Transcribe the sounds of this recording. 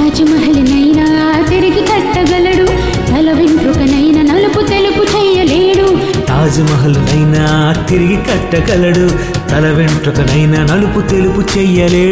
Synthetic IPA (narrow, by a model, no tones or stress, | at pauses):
aːd͡ʒimɐɦɐlinɐjnɐ | t̪iɾiɡik̪ɐʈːɐɡɐlɐɽu | t̪ɐlɐʋeɳʈɾukɐnɐjnɐnɐluput̪eluput͡ʃɛjːɐleːɽu | t̪aːd͡ʒimɐɦɐlinɐjnɐːt̪iɾiɡikɐʈːɐɡɐlɐɽu | t̪ɐlɐʋeɳʈɾukɐnɐjnɐnɐluput̪eluput͡ʃɛjːɐleː